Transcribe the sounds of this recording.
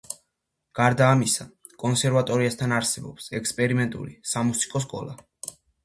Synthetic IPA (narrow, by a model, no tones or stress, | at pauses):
ɡ̥aɾd̪aːmisa | kʼɔnsɛɾvat̪ʼɔɾiast̪ʰanaɾsɛbɔ̰psɛkspʼɛɾimɛnt̪ʼṵɾisamusi̥kʼɔs̬kʼɔ̰lˠa̰